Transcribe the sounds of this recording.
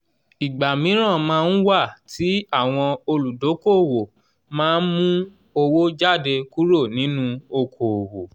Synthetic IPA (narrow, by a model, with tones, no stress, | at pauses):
i˨ɡ͡ba˨mĩ˨˦ɾ̃ã˦˨mãː˦˧˦n̩˦wa˦˨tʰi˨˦a˦˨w̃ɔ̃˧o˧lu˨do˨˦ko˦˨wo˨ | mãː˦n̩˦mũ˦ | o˧wo˦d͡ʒa˦˨de˧ku˦ɾo˦˨nĩ˨˦nũ˦o˧kʰo˨wo˨